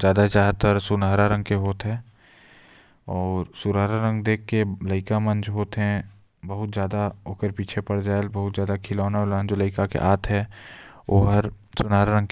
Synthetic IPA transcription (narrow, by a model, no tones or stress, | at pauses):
d͡ʒjaːd̪ad͡ʒaːɦt̪əɾsʊnaːɾaɾə̃ŋɡkeɦoːt̪ɦɛ̃ː | ɔːɾsʊnaːɾaɾə̃ŋɡd̪eːkːeləɪkamɐ̃nd͡ʒʰɦoːt̪ɦɛ̃ | bəɦʊt̪zjaːd̪aokəɾpiːt͡ʃʰepɐɽd͡ʒaːelbɐɦʊt̪zjaːd̪akʰɪlɔːnaʊlaːnd͡ʒoləɪkakḛʔaːt̪ʰɦɛ | oːɦəɾsʊnaːɾaɾə̃ŋɡk